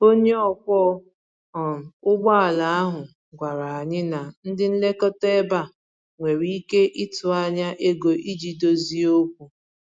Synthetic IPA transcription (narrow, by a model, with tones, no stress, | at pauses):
o˦ɲe˦ɔ˦kʷɔ˦ | ɔ˨ʊ˦ɡ͡ba˦a˨la˨a˦ɦʊ˨ | ɡʷa˨ɾa˨a˨ɲɪ˦na˨n̩˦dɪ˦n̩˦le˦kɔ˦te˦ba˦˨ | ŋʷe˨ɾi˦i˦ke˦ʔi˦tʊ˨a˨ɲa˦ʔe˦ɡo˨ʔi˦d͡ʒi˨do˦zi˦o˦k̚ʷu˨